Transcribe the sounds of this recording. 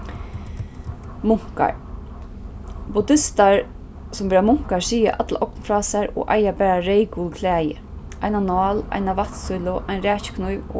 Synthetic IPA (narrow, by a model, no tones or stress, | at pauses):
mʊŋ̥ka̰ɹ | bʊd̪ɪst̪aɹ | sʊmɛːɾamʊŋ̥kaɹsiːa̰ʔat̪laʔɔknfɾɑːsaɾɔ̰ʔa̰jabɛːɾaɾejkulkʰlæːjɪ̰ | ʔajnanɑːla̰jnaʋaht̪sʊjlʊʔajnɾɛːt͡ʃkʰnʊjʋ̰